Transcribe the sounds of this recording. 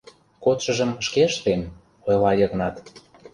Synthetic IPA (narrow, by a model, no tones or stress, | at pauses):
kot̪ʃə̆ʒə̆mʃkeʃt̪em | ojlɑjɤ̆ɣnɑt̪